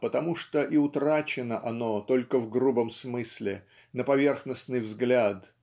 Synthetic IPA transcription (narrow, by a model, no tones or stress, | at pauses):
pət̪ɐmuʂt̪oʔɪʊt̪ɾat͡ɕɪnəʔɐno̞t̪o̞lʲkəvɡɾubəmsmɨsʲlʲɪ | nəpɐvʲe̞rxnəsnɨjvzɡlʲat̪